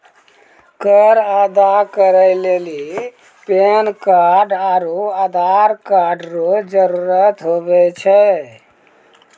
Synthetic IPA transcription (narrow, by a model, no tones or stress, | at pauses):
kəɾad̪akəɾəɪleli | penkaɖaɾoad̪ʱaɾkaɾɖɾod͡ʒəɾuɾət̪ɦobɛt͡ʃʰɛ